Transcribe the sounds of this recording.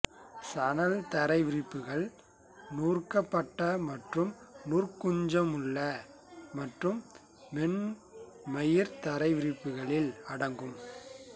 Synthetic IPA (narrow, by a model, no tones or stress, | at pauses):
sɐnɐlt̪ɐɾɐɪʋɪɾɪpːɯɣɐɭ | nuːrkɐpːɐʈːɐmɐʈrɯmnuːrkʊɲd͡ʒɐmɯɭːɐ | mɐʈrɯmː | ɛɳ | mɐjɪɾt̪ɐɾɐɪʋɪɾɪpːɯɣɐɭɪlɐɽɐŋɡɯm